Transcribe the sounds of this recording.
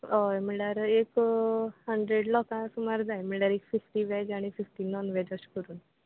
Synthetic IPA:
ɔjməɽaɾek | həɳɖɾeɽlɔkãsumaɾd͡zajm̤əɽaɾekfifʈiʋɛd͡ʒaɽ̃ififʈinɔnʋɛd͡ʑəskəɾuːn

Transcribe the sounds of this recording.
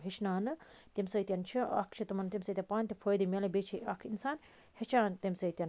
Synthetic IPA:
ɦeʃnaːnɨt̪ʲemsəːt̪ʲjɐnt͡ʃʰiɐ̰kʰt͡ʃʰit̪ɐmɐnt̪imsəːt̪ʲɐpaːnʲt̪ʲɐfʰəːjd̪imʲɐlɐbet͡ʃʰiɐkʰinsaːn | het͡ʃʰaːnt̪ʲemsɐt̪ʲɐn

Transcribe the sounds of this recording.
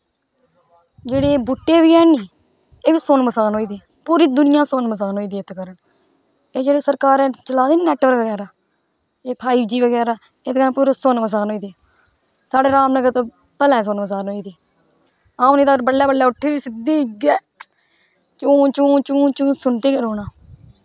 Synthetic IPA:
d͡ʒeːɽeːbʊʈːeːiːɛːniː | eːʋiːsonməsaːnɦoːiːd̪iː | puːɾiːd̪ʊnɪjãːsonməs̬aːnɦoːiːd̪iːt̪kəɾən | eːd͡ʒeːɽeːsəɾkaːɾɛːt͡ʃəlaːd̪eːnɛːʈʋəɾʋəɡɛːɾaː | eːpʰaːiːbd͡ʒiːʋəɡɛːɾaː | eːd̪ɡaːpuːɾeːsonməs̬aːnɦoːiːd̪eː | saːɽeːɾaːmnəɡəɾt̪õː | pəlɛ̃ːs̬onməs̬aːnɦoːiːd̪iː | aːniːt̪aːəɾbəlːaːbəlːaːʊʈʰːeːʋiːsɪd̪iːɡɛː | t͡ʃũːnt͡ʃũːnt͡ʃũːt͡ʃũːsʊnt̪eːɡəɾɦoːnaː

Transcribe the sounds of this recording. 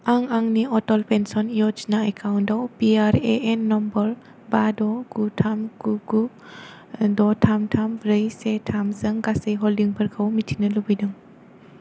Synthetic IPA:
aŋaŋniʔɔtɔlpensɔnjɔd͡ʒnaekawndɔwpiaɾeʔenːɔmbəɾ | badɔkutʰamkuɡu | dɔtʰamtʰamɾɯjsetʰamzɯŋɡasəjɦɔldiŋpʰəɾkʰəwmitʰinəlubɯjdɯŋ

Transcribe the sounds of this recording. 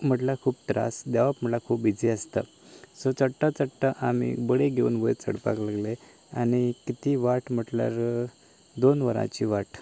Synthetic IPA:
m̤əʈlakʰuːp̚t̪ɾa̰sd̪jaʋapm̤əʈlakʰuːpːid͡ziəst̪a̰ | sot͡səɽʈːat͡səɽʈaʔam̤ḭbəɽeɡʱeuːnbəjt͡sə̰ɽpa̰klaɡle | añikit̪iːʋaʈm̤əʈlja̰ɾ | d̪onʋəɾã̰t͡ɕiːʋaʈ

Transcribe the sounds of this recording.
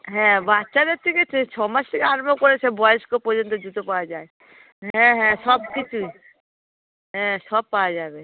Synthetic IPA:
ɦɛ̃batːʃad̪eɾt̪ʰiket̪ʰet͡ʃʰɔmasʈ̪ʰikeaɾmokoɾet͡ɕʰebɔjeskopɔɾd͡ʑont̪od͡ʑut̪opawad͡ʑae | ɦɛ̃ɦɛ̃ʃɔbkit͡ɕʰui | ɦɛ̃ʃɔb̚pawad͡ʑabe

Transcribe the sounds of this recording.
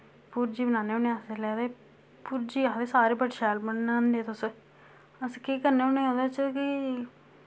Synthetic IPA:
puːɾd͡ʒiːbənaːneːʊneaːselɛːd̪eː | puːɾd͡ʒiːaːd̪eːsaːɾeːbəʈʃɛːlbəɳnãnd̪eːt̪ʊs | əskiːkəɾneːʊneːõd̪aːt͡ʃkɪ

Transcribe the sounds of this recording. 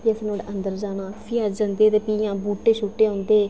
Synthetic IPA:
piːəsnoːɽeʔənd̪əɾd͡ʒaːnãːsiːad͡ʒə̃nd̪eːt̪eːpiːjãːbuːʈːeːʃuːʈːeːõːnd̪eː

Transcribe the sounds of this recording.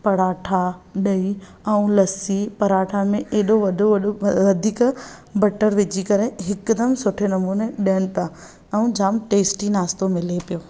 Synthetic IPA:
pɐɽaːʈʰaɗɐi | ɛũlɐsipɐɾaːʈʰamẽʔeːɗoʋɐd̪ʱoʋɐd̪ʱiːkbɐʈəɾʋɪd͡ʑikɐɾeɦɪkd̪əmsʊʈʰenɐmbuːnẽɗijənɪ̆t̪a | ɛ̃ũd͡ʑaːmʈeːsʈinaːst̪omɪlepijoː

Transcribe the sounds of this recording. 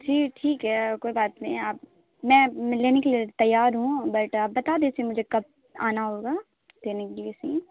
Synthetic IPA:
d͡ʒʰiːkʈʰiːkɦɛːkoːibaːt̪nɐĩaːp̚ | mɛ̃ːleːnekeliet̪ɐjːaːɾɦũbɐʈaːp̚bɐt̪aːd̪eːsĩmʊd͡ʒʱekɐp̚ | a̰ːnaɦoːɡaː | leːnekelliesĩ

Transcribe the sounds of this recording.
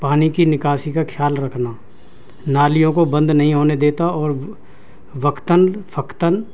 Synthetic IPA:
paːnikinɪkaːʃikakʰjaːlɾəkʰna | naːlijõkobə̃nd̪nɐɦĩɦoːned̪eːt̪aɔːɾ | ʋəkt̪ənpʰəkt̪ən

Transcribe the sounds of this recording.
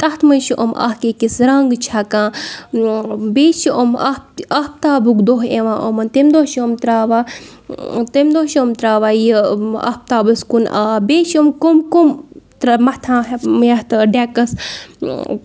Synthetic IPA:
t̪ɐt̪mɐnʃiʔo̰mʔɐ̰hkeːkisɾɐŋɡt͡ʃʰaːkãː | beːʃiʔomɐɐhp̚t̪aːbukd̪oɦeʋãːʔomɐnt̪emd̪ohʃomt̪ɾaːʋaː | t̪emd̪oɦʃomt̪ɾaːʋaːjiɐ̰hp̚t̪aːbɨskunʔa̰ːbeːʃomkomkumt̪mɐht̪ʰãːɦjɐht̪ɖaːkɐs

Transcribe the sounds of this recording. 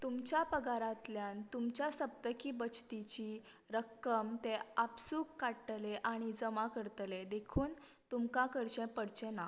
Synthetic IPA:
t̪umt͡ɕjapəɡaɾat̪ljãnt̪umt͡ɕjasəp̚t̪əkiːbət͡ɕt̪it͡ɕi | ɾəkːəmt̪eapsuːkːaʈleʔaɽ̃id͡zəmakəɾt̪led̪ekʰuːn | t̪umkakəɾɕẽpəɽt͡ɕẽna

